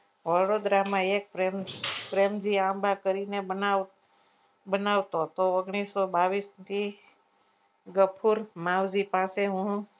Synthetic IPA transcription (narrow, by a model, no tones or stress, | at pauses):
ʋəɽod̪ɾamãek̚pɾempɾemd͡ʒiãbakəɾinea | bənaʋt̪ot̪oɔɡɽ̃isːobaʋist̪ʰi | ɡəpʰuɾmãʋd͡ʒipaseɦũ